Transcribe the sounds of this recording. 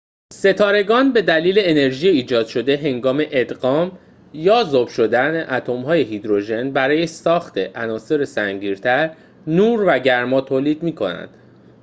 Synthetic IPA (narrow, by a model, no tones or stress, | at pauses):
se̞t̪ʰɒːɾe̞ɡɒːnbe̞d̪æliːle̞ːne̞ɾʒijeiːd͡ʒɒːd̪̥ʃo̞d̪e̞ɦe̞ŋɡɒːme̞ʔed̪ɢɒːm | jɒːzob̥ʃo̞d̪æneʔæt̪ʰo̞mɦɒːje̞ɦid̪ɾo̞ʒe̞nbæɾɒːje̞sɒːxt̪ʰe̞ʔænɒːse̞ɾesæŋɟiːɾt̪ʰæɾ | nuːɾvæɟæɾmɒːt̪ʰoːliːd̪miːkʰo̞̰næ̰nd̪̥